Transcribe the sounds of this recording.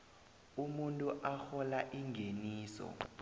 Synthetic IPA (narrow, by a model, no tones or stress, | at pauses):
umuntʼuʔaxɔlaʔiŋɡʱeniːsɔ̰